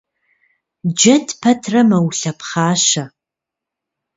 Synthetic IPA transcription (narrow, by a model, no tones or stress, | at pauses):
d͡ʒɐtʰpʰɐtʰrɐmɐwuɬɐpʰχaːʃɐ